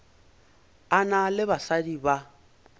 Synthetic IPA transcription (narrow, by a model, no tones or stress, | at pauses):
analɪbasadiba